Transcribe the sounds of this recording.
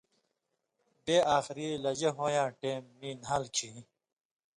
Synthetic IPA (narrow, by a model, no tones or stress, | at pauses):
beʔaːxɾiːlɐd͡ʑeɦoːjãːʈeːmːiːnɦaːlkʰi